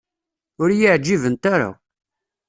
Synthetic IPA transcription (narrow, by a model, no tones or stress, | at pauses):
ʊɾjəʕd͡ʒːivənt̪aɾa̰